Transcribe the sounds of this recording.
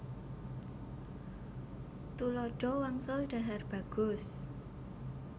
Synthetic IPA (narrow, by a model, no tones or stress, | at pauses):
t̪ulɔɖ̥ɔ̤waŋsʊlɖ̥a̤ɦarb̥a̤ɡ̥ʊ̤s